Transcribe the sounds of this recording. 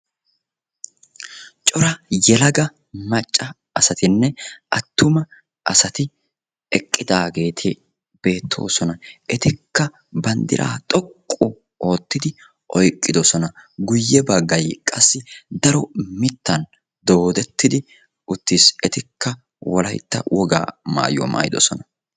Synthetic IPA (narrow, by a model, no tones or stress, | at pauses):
t͡ʃʼɔɾɐjɛlɐɡɐ | mɐt͡ʃʼːɐ | ɐsɐt̪ɪnːɛʔɐt̪ːʊmɐ | ʔɐsɐt̪ɪ | ɛkʼːɪd̪aːɡe̞ːt̪ʰɪ | b̥e̞ːt̪ʰːo̞̰ːsɔnɐʔɛt̪ɪkːɐ | bɐnd̪ɪ̰ɾʔa̰ːt̪ʼɔkʼːʊ | ʔo̞ːt̪ːɪd̪ɪ | ʔɔjkʼːɪd̪ɔsɔnɐɡʊjːɛbɐɡːɐjkʼɐsːɪd̪ɐɾɔmɪt̪ːɐn | d̪o̞ːd̪ɛt̪ːɪd̪ɪ | ʊt̪ːisɛt̪ɪkːɐ | wɔlɐ̰jt̪ːɐ̰wʔɔɡa̰ːma̰ːjɔ̰ma̰ːjɪd̪ɔ̰sɔnɐ